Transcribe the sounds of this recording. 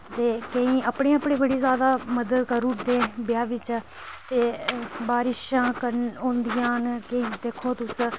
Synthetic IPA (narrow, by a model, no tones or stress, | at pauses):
t̪eːkəĩːʔəpɳẽːəpɳẽːbəɽiːzjaːd̪aːməd̪əd̪kəɾuːd̪eːbɪjaːʋɪt͡ʃ | t̪eːbaːɾɪʃãːkəɾõːnd̪ɪjãːnkəĩːd̪eːkʰːõːt̪ʊs